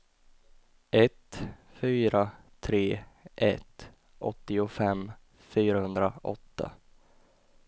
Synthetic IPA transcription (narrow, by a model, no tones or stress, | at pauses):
ʔɛt̪ | fyːɾa | t̪ʰɾeːʔɛt̪ | ʔɔ̰t̪ːɪʊfɛmː | fyːɾahɵnd̪ɾa̰ʔɔ̰t̪ːa̰